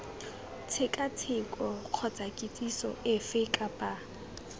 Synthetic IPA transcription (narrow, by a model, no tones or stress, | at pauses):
t͡sʰɪkʼat͡sʰɪkʼɔq͡χʰɔt͡sʼakʼɪt͡sʼisɔ̰ɪfɪkʼapʼa